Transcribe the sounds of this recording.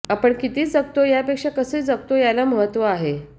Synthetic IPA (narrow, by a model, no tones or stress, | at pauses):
apəɳkit̪iːd͡zəkt̪ojapekʂakəsed͡zəɡ̚t̪ojalaməɦət̪ːʋəaɦe